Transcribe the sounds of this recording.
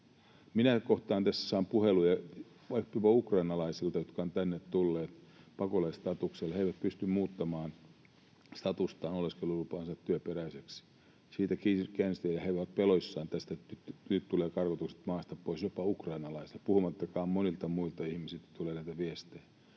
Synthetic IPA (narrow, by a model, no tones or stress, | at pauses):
minækoht̪ɑːnt̪æsːæ̥sɑːmpuhelujɑ | ʋɑpːiʋɑukrɑinɑlɑisilt̪ɑjot̪kɑont̪ænːet̪t̪ulːeːt̪pɑkolɑist̪ɑt̪ukselheiʋæt̪̚pyst̪ymmuːt̪ːɑmɑːn | st̪ɑt̪ust̪ɑːnoleskelːulupɑːnsɑt̪t̪ːyøperæiseks | siːt̪ækikænst̪eːjɑheiʋæt̪̚peloisːɑːnt̪æst̪æt̪ytnyt̪t̪uleːkɑrkot̪ukse̥t̪mɑːst̪ɑppoisjopɑukrɑinɑlɑisi̥lpuhumɑt̪ːɑkɑːmmonilt̪ɑmuilt̪ɑihmisilt̪æt̪uleːnæit̪æʋiest̪eː